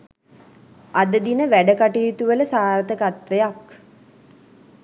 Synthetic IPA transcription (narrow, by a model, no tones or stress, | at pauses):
ad̪əd̪inəʋæɖəkaʈiːt̪uʋələsaːɾət̪əkat̪ʋejak